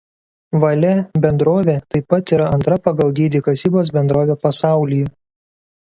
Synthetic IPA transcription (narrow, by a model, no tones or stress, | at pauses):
ʋɐlʲɛbʲɛnd̪ɾoːʋʲeːt̪ɐɪpːɐt̪iːɾɐɐnt̪ɾɐpɐɡɐlˠd̪ʲiːd̪ʲiːkɐsʲiːboːs̬bʲɛnd̪ɾoːʋʲeːpɐsɑˑʊlʲɪjɛ